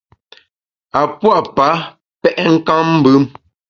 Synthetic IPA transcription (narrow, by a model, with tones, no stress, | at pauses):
a˨pwa˦ʔpa˨˦ | pɛ˦ʔɛ˦ŋ̩˦ka˦ŋm̩˦bʉ˦m